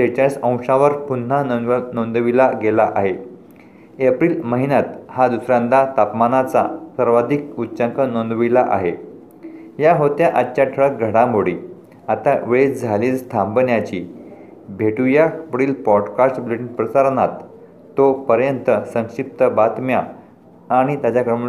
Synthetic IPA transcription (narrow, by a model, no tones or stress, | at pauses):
t̪et͡ɕãsə̃w̃ʂãʋəɾpun̤ːanond̪ʋilaɡelaʔaɦe | epɾiːlməɦinat̪had̪usɾãnd̪at̪apmanat͡sa̰səɾʋad̪ʱik̚utːt͡ɕəŋkənond̪ʋilaʔa̰ɦe | jaɦot̪jaʔaɕaʈʰəɭək̚ɡʱəɽãmoɽiː | at̪aʋeɭiːt͡sd͡zʱaliːlst̪ʰãmbənjat͡ɕiː | bʱeʈujapɽiːlpɔɖkasʈbleʈiŋɡpɾəsaɾnat̪ː | opəɾjənt̪əsə̃ŋʂip̚t̪əbat̪mjaː | ɽ̃it̪jat͡ɕakɾəm